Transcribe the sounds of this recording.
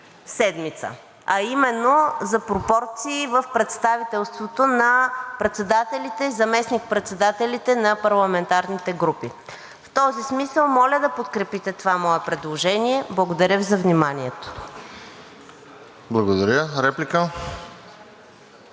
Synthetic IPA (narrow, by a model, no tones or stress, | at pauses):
sɛd̪mit̪sə̰ | ɐimɛnːozɐpɾopɔɾt̪siːvəfpɾɛt̪st̪avit̪ɛlˠst̪vot̪onɐpɾɛt̪sɛd̪at̪ɛlʲit̪ɛzɐmɛsnik̚pɾɛt̪sɛd̪at̪ɛlʲit̪ɛnɐpɐɾlˠɐmɛnt̪aɾnit̪ɛɡɾupi | ft̪ɔzismisəlˠmɔlʲəd̪ɐpot̪kɾɛpit̪ɛt̪ovamɔɛpɾɛd̪lˠoʒɛniɛblˠɐɡod̪ɐɾʲəvzɐvnimaniɛt̪o̥ | blˠɐɡod̪ɐɾʲjəɾɛplʲikə